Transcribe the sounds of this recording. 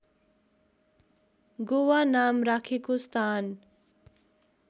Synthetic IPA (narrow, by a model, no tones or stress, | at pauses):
ɡowanamrakʰekost̪ʰan